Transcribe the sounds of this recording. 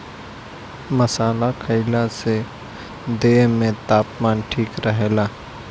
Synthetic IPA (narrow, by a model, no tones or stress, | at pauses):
məsaːlakʰəɪlase | d̪eːɦmẽt̪aːpmaːnʈʰiːkɾəɦeːlaː